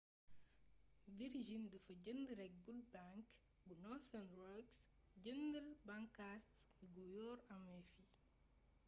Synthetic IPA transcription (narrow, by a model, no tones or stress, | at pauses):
viɾʒindəfɐɟəndəɾɛk̚ɡulbaŋk | bunɔθɐnɾɔks | ɟəndəlbaŋkas | iɡujɔːɾɐmɛfi